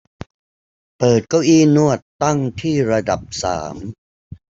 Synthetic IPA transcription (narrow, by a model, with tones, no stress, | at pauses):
pɤː˨˩t̪̚ka˥˩wʔiː˧˩nu˥˩ət̪ːa˥˩ŋt̪ʰiː˥˩ɾa˧da˨˩p̚sa̰ː˩˦m